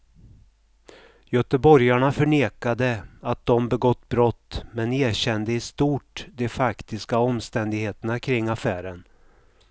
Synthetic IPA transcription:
jœt̪əbɔɾjaɳafœɳeːkad̪əat̪̚d̪ɔmbɛɡɔt̪ːbɾɔt̪ːmɛneːɕɛnd̪əɪst̪uːʈd̪ɛfakt̪ɪskaɔmːst̪ɛnd̪ɪɡheːt̪ənakʰɾɪŋːafæːɾən

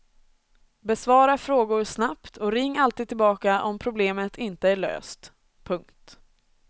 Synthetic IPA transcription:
bɛsvɑːɾafɾoːɡʊɾsnapt̪ʰɔɾɪŋːalt̪iːd̪̚ʰːɪlbɑːkaʔɔmpʰɾʊbleːmət̪ʰɪnt̪əæɭø̰ːst̪ | pʰɵŋkt̪

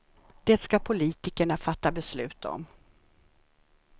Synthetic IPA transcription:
d̪̥eːt̪skapʰʊliːt̪ɪkəɳafat̪ːabɛslʉ̟ːt̪ʰɔ̰m

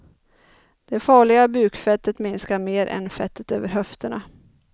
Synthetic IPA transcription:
d̪̥ɛfɑːɭɪɡabʉ̟ːkfɛt̪ːət̪mɪnskaɾmeːɾʔɛ̰nfɛt̪ʰːət̪ø̰ːvəɾɦœft̪ʰəɳa

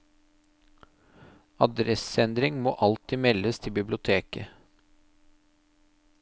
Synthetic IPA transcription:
ɑd̪ɾɛsɛnd̪ɾɪŋmoːʔɑlt̪ɪmɛləst̪ʰɪbɪblɪʊt̪ʰeːkə

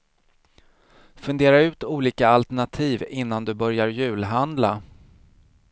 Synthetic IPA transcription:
fɵnd̪eːɾaʉ̟ːt̪uːliːkaalt̪æɳat̪ʰiːvɪn̪ːand̪ɵbœɾjaɾjʉ̟ːlɦand̪la

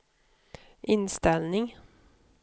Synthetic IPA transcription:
ʔɪnst̪ɛlnɪŋ

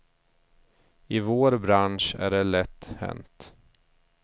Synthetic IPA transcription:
ɪvoːɾbɾanʂæ̰ɖɛlɛt̪ːhɛ̰nt̪

